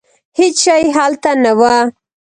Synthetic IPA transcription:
hɪt͡ʃʃajɦalt̪anawa

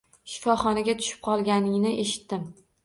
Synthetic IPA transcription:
ʃɪ̥fɒχɒnaɡʲat̪ʰʊ̥ʃɪ̥p̚qʰɒlˠɡʲanɪŋnɪʔe̞ʃɪ̥t̪ːɪm

